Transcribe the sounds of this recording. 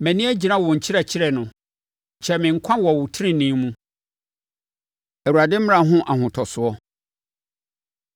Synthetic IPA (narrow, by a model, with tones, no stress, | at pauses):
mɛ̃˨nĩ˦æ˦d͡ʑi˨nã˦wɔ̃˨ɲ̩˨t͡ɕʰɪ˦ɾɛ˨t͡ɕʰɪ˦ɾɛ˨nʊ̃˨ | ɕʰɛ˦mɪ̃˨ŋ̩˨kʷʰã˦wɔ˨wʊ˨tʰɪ˦ɾɪ̃˦nĩ˦mũ˦ | æ˨u˨a˨dɪ˦m̩˦m˦ã˨ɦʊ̃˦ʔa˨ɦʊ̃˨tʰɔ˨sʊ˨ɔ˦